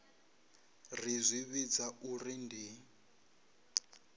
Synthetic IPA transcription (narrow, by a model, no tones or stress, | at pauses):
rizʷiβid͡zaurindi